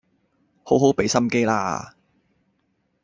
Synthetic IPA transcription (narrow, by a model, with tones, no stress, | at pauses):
ho˨˥wɦo˨˥wpe˨˥jsɐ˥mke˥jla̰ː˧